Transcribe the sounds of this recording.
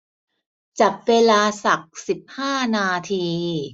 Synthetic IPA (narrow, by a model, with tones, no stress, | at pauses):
t͡ɕa˨˩p̚weː˧laː˧sa˨˩k̚si˨˩p̚haː˥˩naː˧t̪ʰiː˧